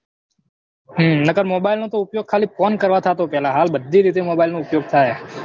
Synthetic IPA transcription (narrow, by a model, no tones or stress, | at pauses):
ɦənəkəɾmoːbailnõt̪oʊpjoːɡ̚kʰaːlipɔnkəɾʋat̪ʰat̪opɛɦlãɦaːlbəd̪ʱːiɾit̪̬emoːbaɪlnõʊpjoːɡ̚t̪ʰaj